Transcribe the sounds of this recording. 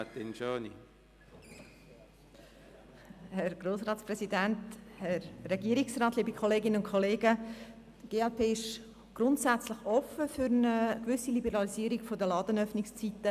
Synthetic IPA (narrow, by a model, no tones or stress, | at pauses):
t̪inʃoːnḭ | hɛɾɡ̥roːsrɑːtsprɛsidænthɛrrɛɡiəɾiksrɑːtliːbikʰχoleːɡɪnəʊnkʰχoleːɡə | tɡ̥eːɛlpʰeːɪʃ | ɡ̥ɾʊntsæt͡sləχɔfəfʏɾnəkʋʏsilibəɾɑliziəɾiɡfodəlɑːdənœfnɪkst͡sit̪ːə